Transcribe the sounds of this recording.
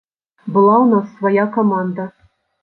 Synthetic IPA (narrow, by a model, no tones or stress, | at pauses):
bɤ̆lˠɑunɑsvɐjɑkomɑnd̪ə